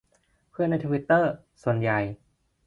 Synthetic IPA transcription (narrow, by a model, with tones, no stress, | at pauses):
pʰɯ˥˩əna˥jt̪ʰuː˧wi˦˥t̪ːɤː˥˩ | su˨˩ənja˨˩j